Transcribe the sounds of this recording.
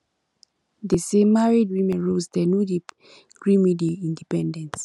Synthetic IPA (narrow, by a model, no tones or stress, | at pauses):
desemaɹidwĩmɛ̃nɹosdɛnudi | ɡ̥ɹĩmidiaĩndipɛ̃ndɛ̃ns